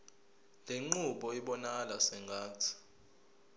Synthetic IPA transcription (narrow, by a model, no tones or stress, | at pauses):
leŋ͡ǃuɓɔiɓɔnalasɛŋɡʱaːtʰi̥